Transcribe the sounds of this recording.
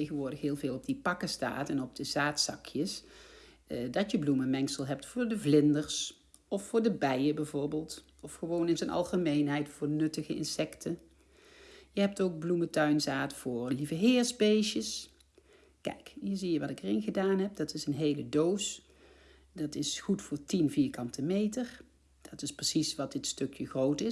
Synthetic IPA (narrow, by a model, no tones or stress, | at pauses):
ejɣənʋʊːɹdəxɦɪːlˠveːlˠɔb̚dipɑkəsta̰ːtɛnɔb̚d̥əzaːtsɑkʰjəs | dɑtjəbluməmɛŋksəlˠɦɛp̚tfʊːɹdəvlɪndəɹs | ɔfːʊːɹdəbɛjəbɛjvʊːɹbeːlˠt | ɔfχəʋownɪnzənʔɑ̰lˠχəmejnɦɛjtfʊːɹnɵtəɣəɪ̰nsɛktʰə | jəɦɛp̚towɡ̚blumətœɥnzaːtfʊːɹlivəɦɪːɹsbejʃəs | kɛ̰jkɦiːɹzijəʋɑtɪkərenɣədaːnɦɛp̚dɑtɪsənɦejlədows | dɑtɪsχutfʊːɹtinviːɹkɑntəmejtər | d̥ɑtɪsprəsisʋɑt̚dɪtstɵkjəχrowtɪ